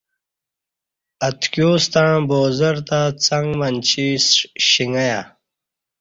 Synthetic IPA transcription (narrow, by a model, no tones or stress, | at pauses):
ɐt̪kjuːst̪ãːboːzɐɾt̪at͡sɐŋɡmɐnt͡ɕʰisɕiŋɡɐja